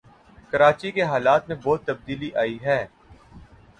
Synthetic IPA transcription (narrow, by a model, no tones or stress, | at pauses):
kɐɾaːt͡ʃikeɦaːlaːt̪mẽbɔːt̪ːɐb̚d̪iːliʔaːiɦɛː